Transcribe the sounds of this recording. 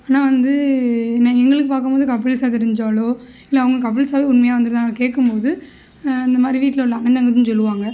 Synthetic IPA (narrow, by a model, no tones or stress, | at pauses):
aːnaːʋɐnd̪ɯnãɛŋɡɐɭɯkːɯpaːɾkɯmpoːðɯkɐpːɪlsaːt̪̬ɛɾɯɲd͡ʒaːloː | ɪlːɐɐʋɯŋɡɐkɐpːɪɭsaːʋeːʊnmɐjaːʋɐnd̪ɯɾðaːkeːʈkːɯmpoːðɯ | ɐnd̪ɐmaːd̪ɾiʋiːʈːɪlɐʊɭːɐːnɐnd̪ɐŋɡɐt̪ːɯnɯsɔlːɯʋaːŋɡɐ